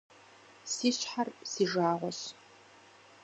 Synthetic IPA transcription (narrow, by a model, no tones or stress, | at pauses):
siːɕħarsiːʒaːʁʷɔ̰ɕ